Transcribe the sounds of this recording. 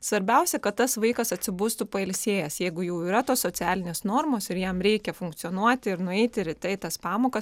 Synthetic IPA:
sʋɐɾʲbʲɛʊsʲɛkɐt̪t̪ɐsʋɐɪkɐsɐt̪ʲsʲɪbuːst̪ʊpɐɛlʲsʲeːjɛsjɛɪɡʊjɛʊiːɾɐt̪oːssoːt̪sʲæːlʲɪnʲeːsnoːɾmoːsɪɾjɛmɾʲɛɪkʲɛfʊŋkt̪sʲɪoːnuɔt̪ʲɪɪɾnʊɛɪt̪ʲɪɾʲɪt̪ɐɪt̪ɐspɑːmoːkɐs

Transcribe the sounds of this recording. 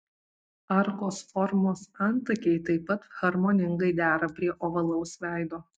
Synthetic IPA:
ɐɾkoːsfɔɾmoːsɐnˑt̪ɐkʲɛɪt̪ɐɪpːɐt̪ɣ̥ɐɾmoːnʲɪŋɡɐɪd̪ʲæːɾɐpʲɾʲiɛʔoːʋɐlˠɐʊsʋʲæˑɪd̪oː

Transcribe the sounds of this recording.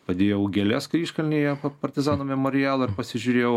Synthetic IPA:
pɐd̪ʲeːjɛʊɡʲɛlʲɛskɐiːʃkɐlʲnʲijɛɐpɐɾʲt̪ʲɪzɑːnoːmʲɛmɔɾʲɪjæːlˠɐɪɾpɐsʲɪʒʲʊɾʲeːjɛʊ

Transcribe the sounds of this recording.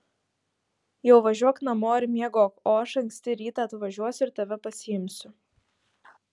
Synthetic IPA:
jɛʊʋɐʒʲuɔknɐmoːɪɾmʲiɛɡoːkoːɐʃɐŋʲksʲt̪ʲɪɾʲiːt̪ɐːt̪ʋɐʒʲuɔsʲʊɪɾt̪ɐʋʲɛpɐsʲɪjɪmʲsʲʊ

